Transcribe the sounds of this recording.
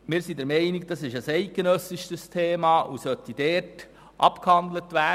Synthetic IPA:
mɪːɾsidɛɾmɛɪnɪk̚d̥ɑsɪʃəsɛɪk̚ɡ̥enœsɪʃtəstʰeːmɑːʔusœt̪id̥ɛːt | ʔɑ̰pkhɑnd̪lətʋæː

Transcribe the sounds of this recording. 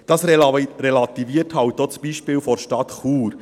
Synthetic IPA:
d̥ɑsɾelɑt̪iviəthɑwt̚dot͡sbiʃpɪːwfɔɾʃtɑt̪χuːɾ

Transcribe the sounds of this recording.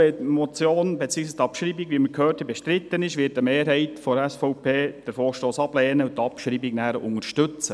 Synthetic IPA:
ɛmɔt͡sjoːnbɛt͡siːəɡsistɑpʃɾiːbiɡʋiːməɾkʰhøːthɛbɛʃtɾɪt̪ːənɪʃʋɪːt̚əmeːɾɦɛɪtfɔɾɛsfɔʊpeːd̥əɾfoːʃtoːsɑblɛːnəʊt̪ːɑpʃɾiːbɪɡnæːɾəʔʊŋəɾʃtʏt͡sə

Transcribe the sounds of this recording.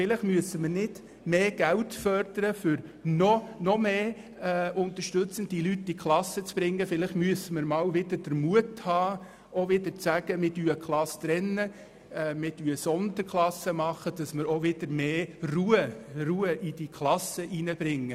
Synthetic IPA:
fɪlɪχmyəsəmənɪd̥ | meːɡ̥æltfœɾd̥əɾəfʏɾnɔnɔmeː | ʊnt̪əɾʃtɵt͡sənd̥ilytːikʰlɑsət͡sb̥ɾɪŋːəfɪlɪχtmyəsəməɾmɑːwʋɪd̥əɾd̥əɾmuəthɑː | oʋɪdəɾt͡sæɡ̥əmɪtyːəkʰlɑst̪ɾɛnːə | mɪtyəsɔnd̪əɾkʰlˠɑsəmɑχəd̥ɑsməɾoʋɪd̥əɾmeːruəruːəʔid̥ikʰlɑsəʔinəb̥ɾɪŋːə

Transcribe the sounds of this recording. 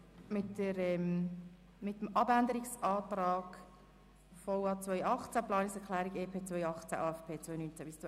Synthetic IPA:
mɪtːəɾɛm | mɪtəmɑbændəɾiksɑːt̪ɾɑːɡ̥ | fɔʊɑːt͡svœjɑχt͡sæplɑːnɪksɛʁklæːɾiɡeːpʰeːt͡svœjɑχt͡sæ̰ʔɑːɛfpʰeːt͡sʋœjnynt͡sæb̥ɪst͡sɔ

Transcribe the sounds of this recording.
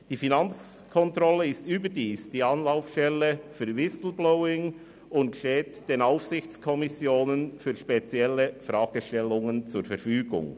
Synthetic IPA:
d̥iːfinɑnt͡s | kʰɔntɾɔləɪstyːbədiːsd̥iːɑnlaʊfʃtɛlːəfyːɾʋɪsl̩blɔʊɪŋ | ʊntʃteːtd̥eːnaʊfsɪçt͡skʰɔmɪsjoːnənfyːɾʃpet͡sjɛləfɾɑːɡ̥əʃtɛlʊŋənt͡suɾfɛɾfyːɡʊ̰ŋ

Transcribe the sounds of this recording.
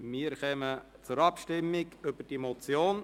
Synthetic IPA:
miːəɾχɛmə | t͡sʊɾɑpʃtɪmːɪɡʏb̥əd̥imot͡sjoːn

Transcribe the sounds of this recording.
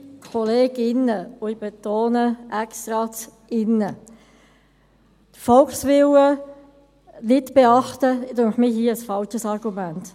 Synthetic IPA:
kʰɔleːɡɪnəʊɪb̥ɛtoːnəʔɛkst̪ɾɑt͡s | ɪnːə | t̪fɔlksʋɪlə | nɪtb̥eɑχtədʊŋχmiɦiːəəsfɑlt͡ʃəsɑɾɡ̥umænt

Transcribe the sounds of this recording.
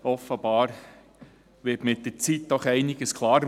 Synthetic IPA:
ɔfːəb̥ɑːɾ | ʋɪtmɪtdət͡sit̚d̪ɔχɛɪnɪɡ̥əskʰlˠɑːɾ

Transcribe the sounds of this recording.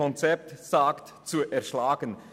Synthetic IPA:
ɔnt͡sɛp̚tsaːkt | t͡suʔɛɐʃlaːɡən

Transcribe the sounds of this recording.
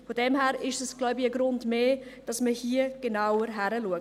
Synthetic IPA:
fodɛmɦɛːɾɪʃɛsɡ̥laʊbiəɡɾʊndmeːd̥ɑsməhiːəɡ̥enaʊəɾɦæɾəluə

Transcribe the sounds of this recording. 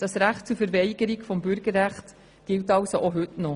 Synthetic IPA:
d̥ɑsɾæχt̚t͡suɾfəɾvɛɪɡəɾiɡfɔmbʏɾɡəɾːæχt | ɡ̥ɪltɑlsoʔoɦʏtnɔ

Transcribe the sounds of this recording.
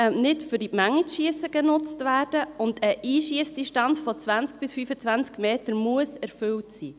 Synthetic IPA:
nɪtfʏɾdimæŋːitʃiəsəɡ̥ənʊt͡stvæːrd̥əʊndəʔiːʃiəsd̥iʃtɑnt͡sfɔt͡sʋænt͡sk̚b̥ɪsfyfət͡sʋænt͡skmeːtəɾmuəsɛɾfʏltsḭː

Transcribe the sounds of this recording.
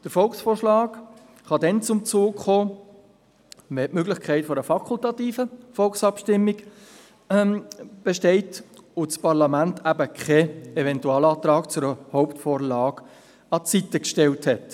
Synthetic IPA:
d̥əɾfɔlksfoːrʃlɑːɡ | χɑdɛnt͡sʊmt͡soːkχoː | vɛʔmøɡlɪχkʰæɪtfɔɾəfɑkʰultɑtiːfəfɔlksɑpʃtɪmːiɡ | b̥eʃtɛɪtot͡spɑɾlɑmæntʰæbəkχʰɛɛvɛntuɑːlɑːt̪ɾɑːkt͡sʊɾəhɔʊptfoːɾlɑːɡ | ɑt͡sitəkʃtɛlthɛt

